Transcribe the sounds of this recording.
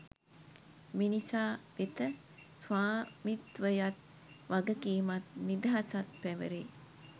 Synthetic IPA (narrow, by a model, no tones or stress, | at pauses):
minisaːʋet̪ə | sʋaːmit̪ʋəjat̪ | ʋaɡəkiːmat̪nid̪əɦasat̪̚pæʋəɾeː